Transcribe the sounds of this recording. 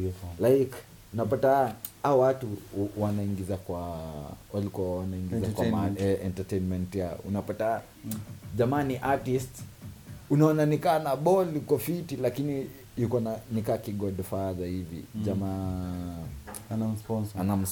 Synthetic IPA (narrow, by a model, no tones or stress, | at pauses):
laik | unapataawatuwanaiŋɡizakwawalikɔawanaiŋɡizakwamaɛɛntatɛjnmɛntjaṵnapata | d͡ʒamaːniʔatist | unaɔnanikaːnaɓɔlikɔfitilakini | jukɔnanikaːkiɡɔdfazaivḭd͡ʒama | sɔanam̩s